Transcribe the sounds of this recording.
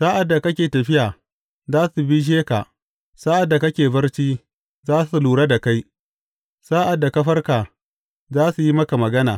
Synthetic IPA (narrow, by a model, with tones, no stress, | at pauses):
saː˦ʔa˨dːa˨kɐ˦kʲeː˨tɐ˨ɸɪ˦jaː˨ | zaː˦su˨bi˦ʃ̬eː˦ka̰˨ | saː˦ʔa˨dːa˨kɐ˦kʲeː˨bɐ˦rt͡ʃiː˦ | zaː˦su˨luː˨ɽa˦da˨ka˦j | saː˦ʔa˨dːa˨kɐ˦ɸɐ˦rkaː˨ | zaː˦su˨ji˦mɐ˦ka˨mɐ˨ɡɐ˦naː˨